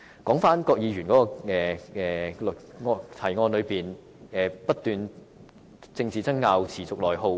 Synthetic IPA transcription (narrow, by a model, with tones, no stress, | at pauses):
kɔː˨˥ŋfaː˥nkɔː˧k̚jiː˨˧jyː˨˩nkɔː˨˥kɔː˧ɛː˨ɛː˨lŋɔ˧t̪ʰɐ˨˩jŋɔː˧nlɵ˨˧ɥpiː˨˩n | ɛː˨˩pɐ˥t̚t̪yː˨n | t͡sɪ˧ŋt͡siː˨˩t͡sɐ˥ŋŋaː˧wt͡sʰiː˨˩t͡sʊ˨k̚lɔː˨jɦo˧w